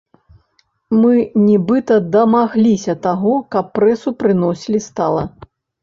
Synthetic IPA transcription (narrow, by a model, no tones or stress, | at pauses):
mɨnʲibɨt̪ɐd̪ɐmaɣlʲisʲɐt̪aɣɔkɐpːɾɛsupɾɨnɔsʲilʲist̪a̰lˠɐ̰